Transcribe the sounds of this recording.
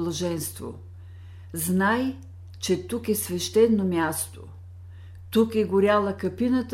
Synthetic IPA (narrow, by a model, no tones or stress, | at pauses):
lˠɐʒɛnst̪vo̰ | znaj | t͡ʃɛt̪ukɛsvɛʃt̪ɛnːomʲjast̪o̰ | t̪ukɛɡʊɾʲjalˠəkɐpinət̪